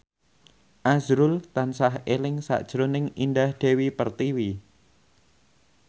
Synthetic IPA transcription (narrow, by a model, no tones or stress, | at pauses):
ʔazɾʊlt̪ansaɦelɪŋsa̰ʔd̥ʒ̥ɾonɪŋindahd̪̥e̤wipərt̪iwi